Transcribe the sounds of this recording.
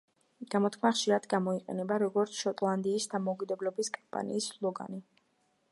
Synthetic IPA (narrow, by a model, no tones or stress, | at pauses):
ɡ̥amɔt̪kʰmaχʃiɾad̪ɡamɔiqʼɛ̰nɛbaɾɔɡɔɾt̪sʰʃɔt̪ʼlˠand̪iːsd̪amɔukʼid̪ɛblɔbiskʼampʼa̰nḭːslˠɔɡa̰ni